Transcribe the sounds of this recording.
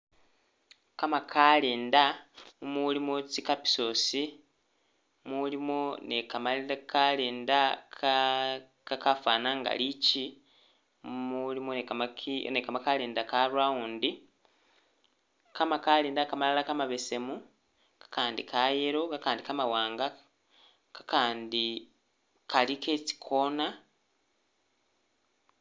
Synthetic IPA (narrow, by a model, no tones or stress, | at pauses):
kamakʰaleːndaumulimot͡sikapi̥so̞si | mulimonekamaliakaleːndak | kakafaːnaŋɡa̰lici | mulimonekamakʰinekamakaleːndakaɾwauːndi | kamakaleːndakamalalakamaβe̞se̞mu | kḁkaːndikʰaje̞ɾo̞kakaːndikamawaːŋɡa | kḁkaːndi | kaliket͡si̥kʰoːna